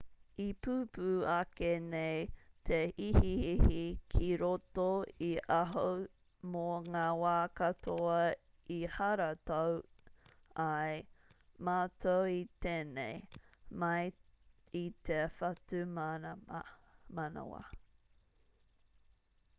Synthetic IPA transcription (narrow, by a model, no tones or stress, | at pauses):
ipuːpuːɐkeneɪtʰeʔihiihikʰiɾotoiʔɐɦo | moŋaːwaːkɐtʰoɐ | ihɐɾɐtow | ɐjmaːtʰowit̪eːnḛjmɐj | itʰefɐtʉm | mana̰wa̰